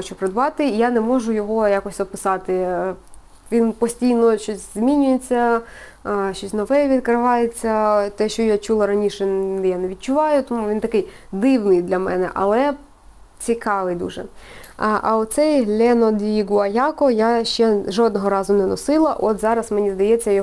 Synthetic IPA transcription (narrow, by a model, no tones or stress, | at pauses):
ɔt͡ʃʊpɾed̪ʋɑt̪ɪijanɛmɔʒʊjɔɦɔjakɔsʲɔpɪsɑt̪ɪ | ʋʲinpɔsʲtʲijnɔʃt͡ʃɔsʲz̥ʲmʲinʲʊjet͡sʲːɐ | ʃt͡ʃɔsʲnɔʋɛʋʲid̪kɾɪʋɑjet͡sʲːɐt̪ɛʃt͡ʃɔjat͡ʃulˠɐɾɐnʲiʃɛɛjanɛʋʲid̪̚t͡ʃʊʋɑjʊt̪ɔmuʋʲint̪ɐkɪj | d̪ɪwnɪjd̪lʲɐmɛ̰nɛ̰ʔɐ̰lˠɛ | t͡sʲikɑʋɪjd̪ṵʒɛ̰ | ʔɐ̰ɔt̪sɛjɦlʲɛnɔd̪ʲʋʲiɡɐjɑkɔjaʃt͡ʃɛʒɔd̪nɔɦɔɾɑzʊnɛnɔsɪlˠɐʔɔt̪zɑɾɐsmenʲizd̪ɐjɛt͡sʲːɐjɔ